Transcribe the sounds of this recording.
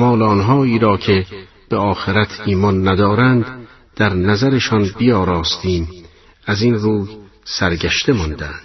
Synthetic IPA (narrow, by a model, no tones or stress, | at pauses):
mɒːleːnɦɒːiːɾɒːcʰe̞ | b̥eɒːxeɾæt̪ʰiːmɒnːæd̪ɒːɾænd̪ | d̪̥æɾnæzæɾeʃɒnbijɒːɾɒːst̪iːm | æzinruːj | sæɾɡæʃt̪e̞mɒnd̪ænd̪̥